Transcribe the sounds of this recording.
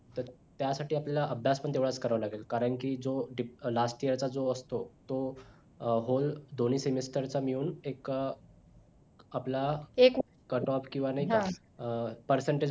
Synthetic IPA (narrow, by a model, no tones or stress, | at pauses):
t̪əɾt̪jasaʈiːaplalaʔəbʱjaspəɳt̪eʋɭat͡skəɾaʋlaɡelkaɾəɳkiːd͡zoɖilasʈijəɾt͡sad͡zoəst̪ot̪o | ɦold̪on̤iːsemisʈəɾt͡samiuːnek | aplaek | kəʈɔpkĩw̃ʋanaɦikɦã | pəɾsəɳʈe